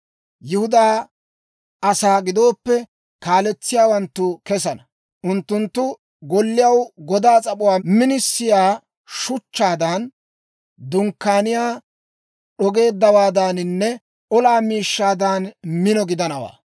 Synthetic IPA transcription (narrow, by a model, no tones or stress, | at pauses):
jɪhʊd̪aː | ʔɐsaːɡɪd̪o̞ːpːɛ | kaːlɛt͡sːɪjaːwɐnt̪ːʊkɛs̬ɐnɐ | ʔʊnt̪ːʊnt̪ːʊ | ɡɔlːɪjɐwɡɔd̪aːt͡sʼɐpʼʊwaːmɪnɪsːɪjaː | ʃʊt͡ʃːaːd̪ɐn | d̪ʊŋkːaːnɪjaː | ɗɔɡe̞ːd̪ːɐwaːd̪aːnɪnːɛ | ʔɔlaːmiːʃːaːd̪ɐnmɪnɔɡɪd̪ɐnɐwa̰ː